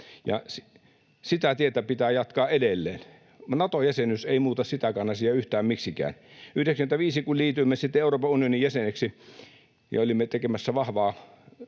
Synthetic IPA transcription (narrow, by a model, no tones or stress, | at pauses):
jɑ̰si | sit̪æt̪iet̪æpit̪æːjɑt̪kɑːʔedelːḛːn | ɑnɑt̪ojæsenyseˑimuːt̪ɑssit̪ækæːnɑsijɑyht̪æːmmiksikæ̰ːnʔyhdeksmĕnt̪æʋiːsikulliːt̪ymːesit̪ːeeˑuroːpɑunionijjæseneksi | jɑ̰olimːet̪ekemæsːæʋɑhʋɑː